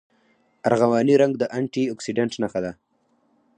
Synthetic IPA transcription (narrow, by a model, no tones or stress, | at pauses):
aɾɣawɑːniɾaŋɡd̪əʔaɳʈiɔksiɖaɳʈnaxad̪a